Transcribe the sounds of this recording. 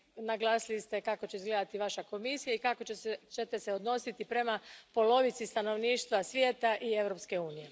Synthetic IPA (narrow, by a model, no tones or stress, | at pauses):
naɡlˠaːsilist̪e̞kako̞t͡ɕeizɡle̞d̪at̪iʋaʃako̞misijaikakot͡ʃet̪e̞seo̞d̪no̞sit̪ipɾe̞mapo̞lo̞ʋit̪sist̪ano̞ʋniːʃt̪ʋasʋje̞ːt̪aʔie̞ʋɾo̞pske̞uːnije̞